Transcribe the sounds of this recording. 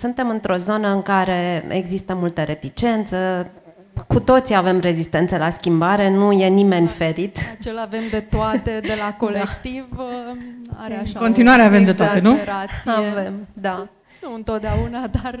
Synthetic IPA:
sunt̪e̞mɨnt̪ɾo̞zo̞nəɨŋkaɾe̞ḛɡzist̪əmult̪əɾe̞t̪it͡ʃe̞nt̪sə | kut̪o̞t̪siave̞mre̞zist̪e̞nt̪səlaskʲimbaɾe̞nuje̞nime̞nʲfe̞ɾit̪at͡ʃelaːve̞md̪e̞t̪oat̪ed̪elako̞lekt̪iv | a̰ɾeaʃakont̪inuaɾeavemd̪et̪aaenuɾaavemd̪a | nuɨnt̪o̞t̪̚d̪eaunad̪ar

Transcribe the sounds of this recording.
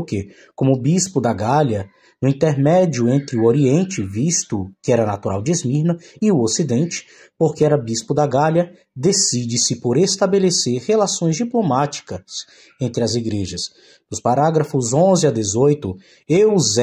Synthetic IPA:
ɾke | kõmʊbispʊd̪aɡalɐ | nʊĩnt̪eɾmɛd͡ʒiʊẽnt̪ɾɪʊoɾiẽnt͡ʃɪvist̪ʊkɪɛɾɐnat̪uɾa̰wd͡ʒɪezmiɾnɐɪʊosid̪ẽnt͡ʃɪ̥ | poɾkɪɛɾɐbispʊd̪aɡaljɐ | d̪esid͡ʒɪsɪpoɾest̪abeleseɾhelasõj̃zd͡ʒiplomat͡ʃi̥kɐs | ẽnt̪ɾɪɐziɡɾeʒɐs | nʊspaɾaɡɾɐfʊzõzɪɐd̪ezojt̪ʊ | ewz

